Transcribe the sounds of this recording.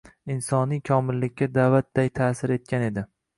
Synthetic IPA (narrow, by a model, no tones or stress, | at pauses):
ɪnsɒnijkʲʰɒmɪlːɪkʲːad̪avat̪̚d̪ajt̪ʰasɪɾe̞t̪̚kʲʰane̞d̪ɪ